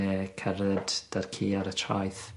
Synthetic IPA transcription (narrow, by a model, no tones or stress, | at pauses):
ɛkʰɛrɛdd̥arkʰiːaɾətʰra̰jθ